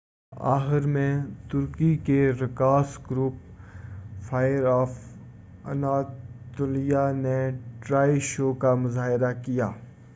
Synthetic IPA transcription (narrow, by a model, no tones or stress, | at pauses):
a̰ːxɪɾmẽt̪ʊɾkikeɾɪkaːsɡɾuːp | faːjəɾɔːf | ɐ̰naːtt̪oːlijaneʈɾaːiʃoːkamʊzaːɦɪɾakijaː